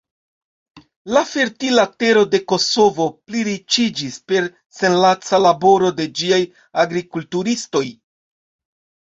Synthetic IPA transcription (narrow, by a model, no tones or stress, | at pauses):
lafe̞ɾtilate̞ɾo̞de̞ko̞so̞vo̞pliɾit͡ʃid͡ʒispe̞ɾ | se̞nlat͡salabo̞ɾo̞de̞d͡ʒiaj | aɡɾikultuɾisto̞j